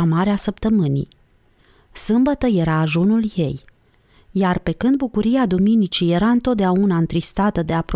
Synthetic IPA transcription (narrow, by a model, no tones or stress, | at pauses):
amaɾeasəp̚t̪əmɨnḭ | sɨmbət̪əje̞ɾaːʒunulje̞j | jarpe̞kɨnd̪̚bukuɾiad̪uminit͡ʃije̞ɾaɨnt̪o̞t̪̚d̪eaunaɨnt̪ɾist̪at̪əd̪e̞apɾ